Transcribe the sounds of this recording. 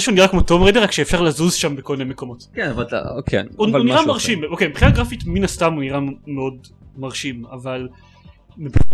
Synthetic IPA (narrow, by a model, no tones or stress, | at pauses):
ʃeuniʁakmotomʁejdeʁakʃeefʃaʁlazuzʃambekominemeko̞mo̞tkɛnavata̰kʰḛnuvlnniʁamaʁʃimokejmpχinaɡʁafitminastamuniʁameo̞dmaʁʃimaval | meb